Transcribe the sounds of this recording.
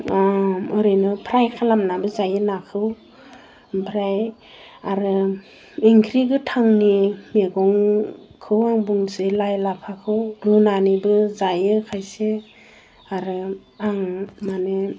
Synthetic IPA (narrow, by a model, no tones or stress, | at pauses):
ɔɾɯnɯpʰɾajkʰalamnabɯzajɯnakʰɯw | pʰɾaj | aɾɯ | iŋkʰɾiɡɯtʰaŋnimeɡɔŋkʰɯwaŋbuŋsejlajlapʰakʰɯwɾunanibɯzajɯkʰajse | aɾɯ | aŋmane